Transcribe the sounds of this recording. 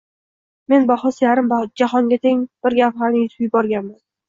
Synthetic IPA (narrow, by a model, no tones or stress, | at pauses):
me̞nbaχɒsijaɾɪmd͡ʒahɒŋɡʲat̪ʰe̞ŋb̥ɪɾɡʲaphaɾnɪɪzjbɒɾɡʲanman